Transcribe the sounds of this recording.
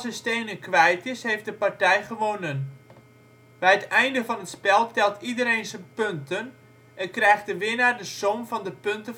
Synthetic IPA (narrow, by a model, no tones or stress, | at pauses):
səsteːnəkʋɛjtɪshejfdəpartɛjχəʋonən | b̥ɛjətɛjndəfɑnɦətspɛlˠtɛlˠtidəɾejnsənpøntən | ʔɛnkrɛjχdəʋɪnaːrdəsomvɑndəpɵntə